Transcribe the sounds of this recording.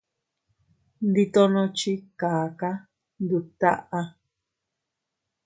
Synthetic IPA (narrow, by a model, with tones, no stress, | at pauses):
nd̪i˧t̪o˧nõ˧t͡ʃi˦kaː˨ka˦ | nd̪u˧t̪a̰˦ʔa˧